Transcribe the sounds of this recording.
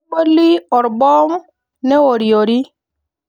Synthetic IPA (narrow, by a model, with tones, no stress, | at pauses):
k͡po˦li˦ɔ˨ɾbɔ˦m˦ | ne˦wo˨ɾi˨o˨ɾi˦